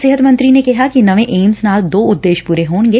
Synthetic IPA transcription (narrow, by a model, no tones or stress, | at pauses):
sɪɦət̪mɐ̃nt̪ɾinekɛɦakinɐʋẽʔeːmsnaːld̪oːʊd̪ːeːʃpuːɾeɦoːnɡe